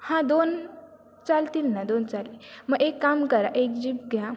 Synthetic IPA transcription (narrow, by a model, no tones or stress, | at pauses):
hãd̪on | t͡salt̪inːãd̪ont͡saliməɡekːamkəɾa̰ʔek̚d͡ʑip̚ɡʱja